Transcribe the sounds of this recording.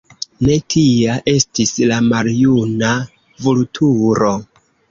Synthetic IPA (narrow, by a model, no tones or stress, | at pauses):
ne̞tʰiaʔe̞stislamaljuna | vultʰuɾo̞